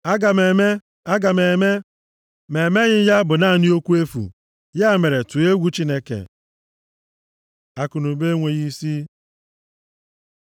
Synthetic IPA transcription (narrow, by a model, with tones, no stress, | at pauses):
a˦ɡa˨me˨me˦ | a˦ɡa˨me˨me˦ | me˨me˦ɣɪ˦ja˦bʊ˨na˦˨ni˦o˦kʷu˦e˦fṵ˨ | ja˦˨me˨ɾe˨tu˨e˦ɡʷu˦t͡ʃi˦ne˦kḛ˨ | a˨kʊ˨nʊ˨be˦ŋʷe˨ɣi˦si˦